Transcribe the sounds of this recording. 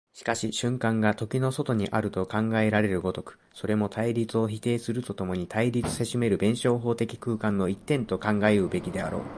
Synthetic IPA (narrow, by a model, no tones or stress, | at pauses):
ɕi̥kaɕiɕɨ̃ŋkãŋɡat̪o̞kʲino̞so̞t̪o̞ɲ̟iʔaɾɯ̟t̪o̞kãŋɡae̞ɾaɾe̞ɾɯ̟ɡo̞t̪o̞kɯ̟̥ | so̞ɾe̞mo̞t̪ʰaiɾʲit͡sɨo̞çit̪e̞ːsɨɾɯ̟t̪o̞t̪o̞mo̞ɲ̟it̪ʰaiɾʲit͡sɨ̥se̞ɕime̞ɾɯ̟bẽ̞ɰ̃ɕo̞ːɦo̞ːt̪e̞kʲi̥kɯ̟ːkãnːo̞it̪ːẽ̞nt̪o̞kãŋɡaeɯbe̞kʲid̪e̞a̰ɾo̞̰ː